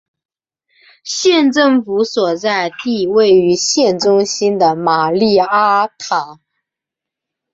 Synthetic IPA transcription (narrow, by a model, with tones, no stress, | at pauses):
ɕjɛ˥˧nʈ͡ʂɤ˥˩ŋfu˧˥swɔ˨˩t͡sa˥˧ɪt̪i˥˧we˥˩ɪy˧˥ɕjɛ˥˩nʈ͡ʂʊ˥ŋɕi˥nd̪ə˨ma˨˩li˥˩a˥t̪ʰa˨˩˦